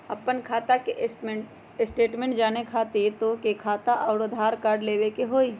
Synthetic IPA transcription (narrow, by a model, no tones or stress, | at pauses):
ɐpːənkʰaːt̪akeʔsʈmẽʈ | ɪsʈeːʈmẽːɳʈ̚d͡ʒaːnekʰaːt̪et̪okekʰaːt̪aʔɐːʊɽod̪ʱaːɾkaːɾɖleːʋekeɦoːi